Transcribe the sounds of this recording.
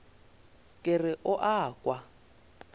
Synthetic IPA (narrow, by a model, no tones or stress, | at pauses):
kʼɪrɪʔʊʔaːkʼwa